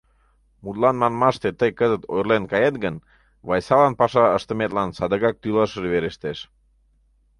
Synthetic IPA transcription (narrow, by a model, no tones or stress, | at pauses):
mut̪lɑnmɑnmɑʃt̪et̪əjkəzət̪o̰jrlenkɑjet̪̚ɡən | βɑjsɑlɑnpɑʃɑəʃt̪əmet̪lɑnsɑd̪əɣɑk̚t̪ylɑʃəʒβeɾeʃt̪eʃ